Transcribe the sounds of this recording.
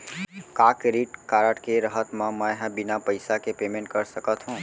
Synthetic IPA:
kaːkɾiːʈkaːɾəʈkeɾəɦət̪mãmɛ̃ɦɛ̃bɪnapəɪjsakepeːmẽɳʈ̚kəɾsəkət̪ɦũː

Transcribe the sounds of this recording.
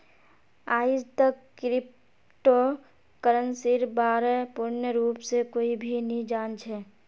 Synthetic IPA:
aːid͡ʒt̪əkkɾɪp̚ | ʈo | kəɾənsiɾbaːɾepuɾnəɾuːpsekoːibʱinĩd͡ʒaːnt͡ʃʰɛ

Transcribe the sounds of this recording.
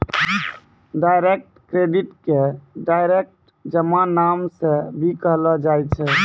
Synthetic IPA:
ɖajɾek̚ʈkɾeɖiʈkeɖajɾek̚ʈ̚ | d͡ʒəmãnamsẽbʱikəɦlɔd͡ʒajt͡ʃʰɛ

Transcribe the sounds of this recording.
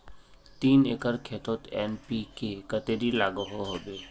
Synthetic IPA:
t̪iːneːkəɾkʰeːt̪oːt̪ɛːnpikekət̪eːɾilaːɡoɦoɦoːbeː

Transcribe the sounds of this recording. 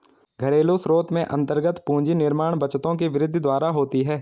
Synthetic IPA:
ɡʱɐɾeːlosɾoːt̪mẽʔɐ̰̃nt̪əɾɡət̪pũːd͡ʒinɪɾmaːɳ̃bɐt͡ʃt̪õk̬eʋɪɾɪd̪ʱːd̪waːɾaɦoːt̪iɦɛː

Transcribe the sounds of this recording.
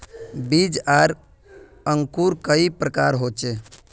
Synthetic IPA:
bid͡ʒaɾ | əŋkuɾkəipɾəkaɾɦot͡ʃe

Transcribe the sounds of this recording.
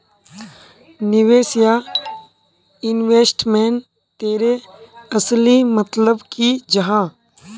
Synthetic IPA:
nɪweːsja | ɪnʋeːsʈmɛːn | t̪eːɾeəslimət̪ləbkid͡ʒɐɦãː

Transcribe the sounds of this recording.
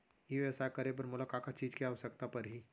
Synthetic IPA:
eʋɛsakəɾeb̬əɾmʊlakaːkat͡ʃiːd͡ʒkiaʋsək̚t̪apɐɾɦiː

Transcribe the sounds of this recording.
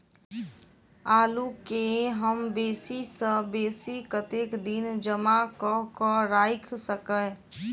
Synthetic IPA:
aːlukeɦəmbeːsisə̃beːsikət̪ekd̪ind͡ʒəmakɔɦkəɾaːɪkʰsəkə

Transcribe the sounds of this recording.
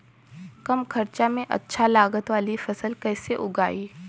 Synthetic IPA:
kɐmkʰɐɾt͡ʃamẽʔɐ̰tːʃʰalaːɡət̪ʋaːlifɐsəlkɛːseʔʊɡaːiː

